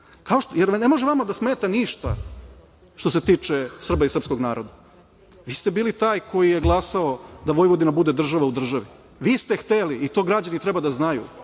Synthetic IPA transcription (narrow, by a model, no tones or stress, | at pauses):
kao̞ʃtjeɾnemoʒeʋamad̪asme̞ːt̪aniʃt̪a̰ | ʃt̪o̞se̞t̪iːt͡ʃesr̩baisɾr̩psko̞ɡnaːɾo̞d̪a | ʋiːst̪e̞biːlit̪aːjkʰo̞jijeɡlˠasao̞d̪aʋo̞jʋo̞d̪inabud̪e̞d̪r̩ʒaʋaud̪r̩ʒaʋi | ʋiːst̪e̞xt̪eliːt̪o̞ːɡɾad͡ʑanit̪ɾebad̪aznajṵ